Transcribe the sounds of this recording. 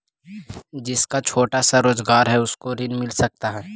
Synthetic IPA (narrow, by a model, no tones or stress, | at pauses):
d͡ʒɪskat͡ʃʰoːʈasaɾoːzɡaːɾɦɛʊskoɾɪnmɪlsɐk̚t̪aɦɛː